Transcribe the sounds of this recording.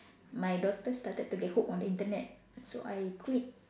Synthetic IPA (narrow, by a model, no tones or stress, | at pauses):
majdɔk̚t̪əst̪at̪əd̚t̪uɡehukɔ̃ndəĩnt̪ənɛt̚ | so̰ʔajkʰwit̚